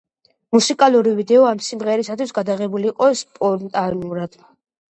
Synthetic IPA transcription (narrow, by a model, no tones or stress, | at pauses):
musikʼaluɾivid̪ɛɔamsimʁɛɾisat̪ʰwisɡad̪aʁɛbuliːqʼɔspʼɔɾnt̪ʼanuɾad̪̥